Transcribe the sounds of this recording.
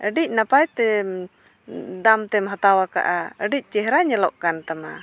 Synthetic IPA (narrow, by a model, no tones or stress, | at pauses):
ʔəɖic̚ˀnapajt̪ɛ | d̪amt̪ɛmɦat̪awaka̰ʔaəɖic̚ˀt͡ʃɛɦɾaɲɛlɔʔkant̪ama